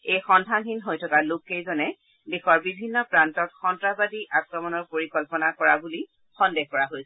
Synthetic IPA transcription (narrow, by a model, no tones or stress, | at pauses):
ejxɔndʱaɦinɦojtʰɔkalokejzɔnɛ | dexɔɹbibʱinːɔpɹantɔtxɔntɹabadiʔakɹɔmɔnɔɹpoɹikɔlpɔnakɔɹabuli | xɔndeɦkɔɹaɦojsɛ